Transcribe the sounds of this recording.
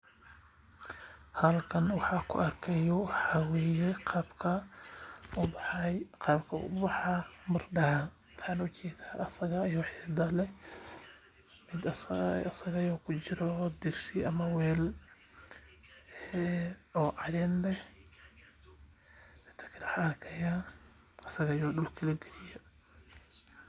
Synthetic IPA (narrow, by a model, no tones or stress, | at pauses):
hɐlkʰɐnwɑħɑːkʰʊ̰ɐrkʰɛjɔwɑħɑːwɛːjɛqːbkʰɐ | bqɑːbkʰɐʊ̰bɑħɑmɐrɖɑ | wɑħɑːnʊt͡ʃɛːd̪aːʔɐsɐɣɐjɔħɛd̪ɐlɛ | mɪd̪ɐsɐɣɐjɔːkʰʊt͡ʃɪɾɔd̪ɪrsɪʔɐmɐwɛːl | ɔːʕɑðɛːnlɛh | ɛt̪ʰɐ̥kʰɐlɐħɐkʰɐja | ɐsɐɣɐjɔːɖʊlkʰɐlɐɡɛlɪjɔ